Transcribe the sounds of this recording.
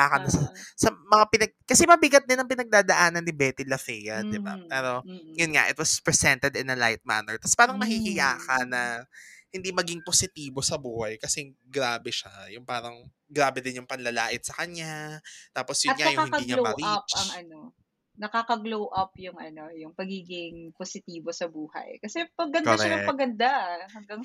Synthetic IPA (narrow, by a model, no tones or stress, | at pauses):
aːkɐnɐsɐsɐmɐŋapɪnɐɡ̚kɐsɛmɐbɪɡɐt̪̚d̪ɪnːɐŋpɪnɐɡ̚d̪aːd̪ɐʔaːnɐnːɪbɛːt̪ilɐfɛjɐd̪ɪba̰pɛːɾo̞jʊnŋa̰ʔɪ̰t̪̚wɐspɹɛsɛnt̪ɛd̪ɪnɐlajt̪̚ma̰nɛɹt̪ɐspaːɾɐŋmɐhiːhɪjaːkɐnːɐhɪnd̪imɐɡiŋposɪt̪iːbo̞sɐbuːhɐjkɐsɛ | ɡɾaːbɛʃajʊŋpaːɾɐŋ | ɡɾaːbɛd̪ɪnjʊŋpɐnlɐla̰ːʔɪt̪̚sɐkɐɲat̪aːposjʊɐt̪ŋaɐjʊŋaːhɪnkɐiɲɐlomɐɾiap̚t͡ʃɐŋʔɐno̞ | nɐkaːkɐɡlowʔɐp̚jʊŋɐno̞jʊŋpɐɡiːɡɪŋposɪt̪iːbo̞sɐbuːhɐ̰jkɐsɛpɐɡːɐndkoɾɐɛnɐpɐɡɐnd̪ahɐŋɡaŋ